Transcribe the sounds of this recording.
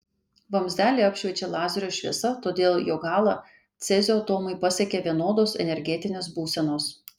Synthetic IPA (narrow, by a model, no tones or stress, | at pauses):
ʋɐmʲzd̪ʲæːlʲeːɐpʲʃʲʋʲɛt͡ʃʲeːlˠɑːzʲɛɾʲoːʃʲʋʲiɛsɐt̪oːd̪ʲeːlˠjoːɡɑːlˠɑ | t̪sʲɛzʲoɐt̪oːmɐɪpɐsʲɛkʲeːʋʲiɛnoːd̪oːsɛ̰nʲɛɾʲɡʲɛt̪ʲɪnʲeːsbuːsʲɛnoːs